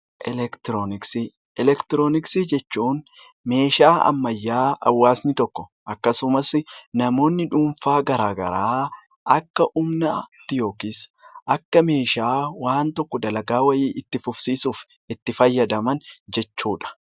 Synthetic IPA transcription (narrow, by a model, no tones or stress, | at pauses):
ʔɛlɛkt̪ɪɾonɪksi | ʔɛlɛkt̪ɪɾoːnɪksid͡ʒɛt͡ʃːuːn | me̞ːʃaːɐ̰mːɐjːaːɐ̰wːaːsnɪt̪ɔkːɔ̥ʔɐkːɐsʊmɐsnɐmo̞ːnːɪᶑuːɱfaːɡɐɾaːɡɐ̰ɾaː | ʔɐkːɐʔʊmnɐt̪ːɪjo̞ːkɪsʔɐkːɐme̞ːʃaːwaːnt̪ɔkːɔd̪ɐlɐɡaːwɐjɪːʔɪt̪ːɪfʊfsiːsuːf | ɪt̪ːɪfɐjːɐd̪ɐmɐnd͡ʒɛt͡ʃːuːᶑɐ̥